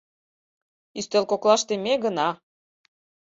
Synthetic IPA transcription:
yst̪elkoklɑʃt̪emeɣənɑ

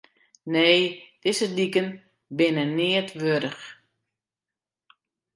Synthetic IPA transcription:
neːd̥ɪzədikən | bɪnənɪətʋøɾəx

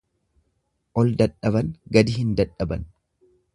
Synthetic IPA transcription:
ʔɔld̪ɐᶑɐβɐnɡɐd̪ɪhɪnd̪ɐᶑːɐbɐ̰n

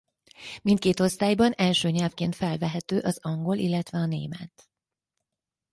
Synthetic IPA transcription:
mint̪̚keːt̪o̞st̪aːjbɒnɛlʃøːɲɛlfkeːnt̪fɛlvɛɦɛt̪øːʔɒzɒŋɡo̞lilːɛt̪ʋɛɒnḛːmɛt̪

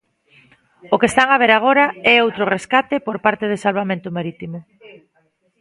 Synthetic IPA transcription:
okest̪aŋaβ̞eɾaɣ̞oɾaɛowt̪ɾʊreskat̪epoɾpaɾt̪eð̞esalβamẽnt̪ʊmaɾit̪imʊ

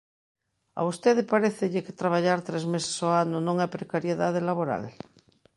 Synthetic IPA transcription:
a̰ust̪eð̞epaɾeθeʎɪket̪ɾaβ̞aʎaɾt̪ɾezmese̥soanonõŋajpɾekaɾjeðaðelaβ̞oɾa̰l

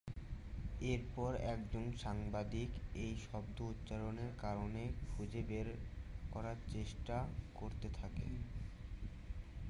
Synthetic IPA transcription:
eɾpɔɾɛkd͡ʑonʃaŋbad̪ikejʃɔbd̪out̪ːɕaɾoneɾkaɾonekʰud͡ʑebeɾkɔɾaɾt͡ɕeʃʈakoɾt̪et̪ʰakḛ

